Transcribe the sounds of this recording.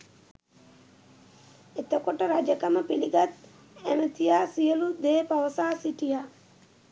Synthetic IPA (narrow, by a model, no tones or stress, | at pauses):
et̪əkoʈəɾad͡ʒəkəməpiliɡat̪ | æmət̪ijaːsijəlud̪eːpaʋəsaːsiʈija